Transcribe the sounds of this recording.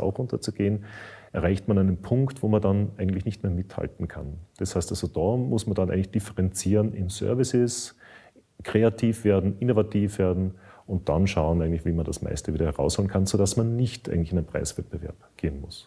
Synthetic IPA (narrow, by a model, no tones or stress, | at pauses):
a̰ʊxʔʊntɐt͡suɡ̥eːənʔɛɐʁaɪçtmanæɪnənpʰʊŋktv̥oːmandanʔæɪɡŋ̩tlɪçnɪçtmeːɐmɪtha̰ltn̩kʰa̰nd̥ashæɪstalz̥od̥ɔmʊsmandanʔæɪŋt̪lɪçd̥ɪfɛʁɛnt͡siːʁənɪ̰nsœ̰ɐvɪsɪs | kʁ̥eːatʰiːfv̥eːɐdn̩ɪnovatʰiːfv̥eːɐdn̩ʊnt̚d̥anʃaʊənʔæɪŋ̩lɪçviːmandasma̰ɪstəviːdɐhɛɐʁa̰ʊshoːlənkʰanzoːdasmanːɪçtʔæ̰ɪɡŋ̩tlɪçɪnæɪnpʁ̥a̰ɪsv̥ɛt̚b̥əvɛ̰ɐpɡ̥eːənmʊs